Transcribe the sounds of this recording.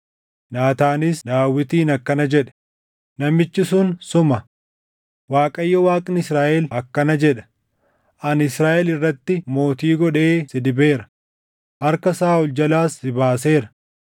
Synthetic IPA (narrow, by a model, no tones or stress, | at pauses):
naːt̪aːnɪsd̪aːwːɪt̪iːnɐkːɐnɐd͡ʒɛᶑɐ̥ | nɐmɪt͡ʃːɪsʊnsʊmɐ | waːkʼɐjːɐwaːkʼnɪsɾaːʔɛlɐkːɐnɐd͡ʒɛᶑɐ̥ | ʔɐnɪsɾaːʔɛlɪrːɐt̪ːɪmo̞ːt̪iːɡɔᶑe̞ːsɪd̪ɪbe̞ːɾɐ̥ | hɐɾkɐsaːʊld͡ʒɐlaːsɪbaːse̞ːɾɐ̥